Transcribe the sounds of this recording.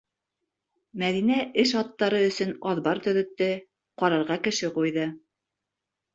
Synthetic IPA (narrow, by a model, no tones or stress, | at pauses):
mæðinæʔɘʃɑt̪ːɑɾɤɵ̆sɵ̆nɒðbɑɾt̪ɵ̆ðɵ̆t̪ːɘ | qɑɾɤ̆ɾʁɑkɘ̆ʃɘqujðɤ